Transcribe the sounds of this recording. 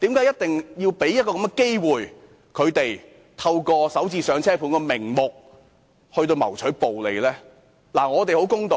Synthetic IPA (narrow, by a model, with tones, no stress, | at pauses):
t̪iː˨˥mkaː˨˥jt̚t̪ɪ˨ŋjiː˧wpe˨˥jɐ˥t̚kɔː˧kɐ˨˥mŋɡɛ˨˧ke˥jwuː˨j | kʰɵ˨˧ɥt̪e˨j | t̪ʰɐ˧wkɔː˧sɐ˨˥wt͡siː˧sœː˨˧ŋt͡sʰɛː˥pʰuː˨˧˥nkɔː˧mɪ˨˩ŋmʊ˨k̚ | hɵ˧t̪o˧wmɐ˨˩wt͡ʃʰɵ˨˥jpo˨wle˨jlɛː˥ | laː˨˩ŋɔː˨˧t̪̬e˨jho˨˥wkʊ˥ŋt̪o˨